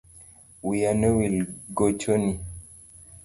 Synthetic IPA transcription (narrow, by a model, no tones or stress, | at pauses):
wijanewilɡot͡ʃoni